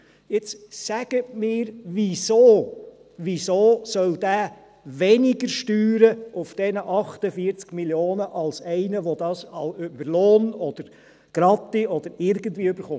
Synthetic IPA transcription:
ɪt͡ssæɡ̥ətmɪːɾʋisoː | ʋisoːsœld̥̪æː | vɛnɪɡəɾʃtyːɾəʊfd̥ɛnəʔɑχtəfiːt͡skmiljoːnəʔɑlsɛɪnəʋɔd̪ɑːsɑløbəɾloːnɔd̥̪əɾ | ɡ̥ɾɑt̪ːiʔɔd̪əɾɪɾɡ̥ən̩tviːøbəɾχʊm

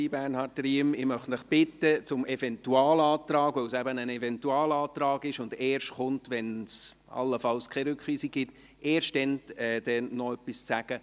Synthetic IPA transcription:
ibæɾnhɑːɾtriəmɪmœχtməχb̥ɪtːət͡sʊmʔɛfɛntuɑːlɑːt̪ɾɑːɡvœlsæbənənɛvɛntuɑːlɑːt̪ɾɑːɡɪʃʊndeːɾʃtχʊntʋɛns | ɑ̰lːəfɑlskʰɛɾʏkχʋiːsik̚ɡ̥ɪt | eːɾʃtdɛnɛd̥ɛnːɔœpːist͡sæɡ̥ə

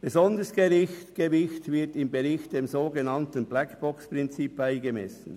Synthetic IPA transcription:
b̥ezɔnd̪əsɡ̥eɾɪçtɡ̥evɪçtvɪɐtɪmbeɾɪçt̚d̥eːmzoːɡenɑntən̩blækb̥ɔkspʁɪnt͡siːp̚b̥aɪɡemɛ̰sn̩

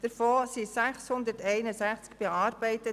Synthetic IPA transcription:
d̥əɾfoːsisæχshʊnd̪əɾtɛɪnəsæχt͡skb̥eɑːɾbɛɪt̪ə

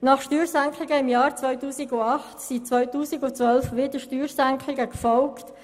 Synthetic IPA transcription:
nɑχʃtyːɾsæŋkʰlɪɡəɪmjɑːɾt͡sʋœʏtuːsɪɡʊɑχtsit͡sʋœʏtuːsɪɡʊt͡sʋœlfʋɪdəʃtyːɾsæŋkʰlɪɡəkfɔlkt

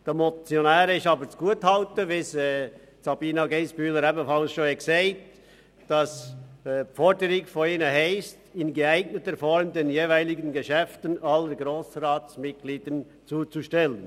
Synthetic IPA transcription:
d̥ɛmɔt͡sjonæːɾɪʃɑːbəɾt͡sɡ̥uəthɑltəvɪsɛ | sɑbiːnɑɡeɪsb̥yːləɾɛbənfɑlsʃoːɛkseɪt | d̥ɑs | fɔdəɾɪkfɔnɪnəɦɛɪstɪnɡəæɪɡnətəfɔɾmd̪enjeːvæɪlɪɡənɡəʃɛftənʔɑlːəɾɡɾoːsraːtt͡smɪt̚ɡ̥liːd̥ən | t͡suːt͡suʃtɛlən

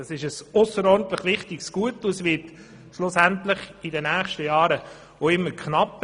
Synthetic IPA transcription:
ɑsɪʃəsʊsəɾɔɾn̩t̪ləχʋɪχtɪksɡ̥uətːuɛsʋɪt | ʃlʊsæntlɪχidənæːχʃtəjɑːɾə | oɪmːəɾkχnɑp

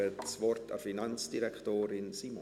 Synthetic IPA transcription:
ətsvɔrtəfinɑnsd̥iɾɛktoːɾɪnsimɔ

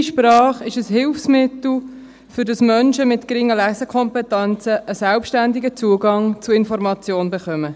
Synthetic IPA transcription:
ʃprɑːχɪʃəshɪlfsmɪt̪l̩ | fʏɾdɑsmœnʃəmɪtkɾɪŋːəlæsəkʰɔmpɛtɛnt͡səʔːsælpʃtænd̪iɡət͡suəɡɑŋt͡suɪnfɔɾmɑt͡sjoːnbɛχœmə

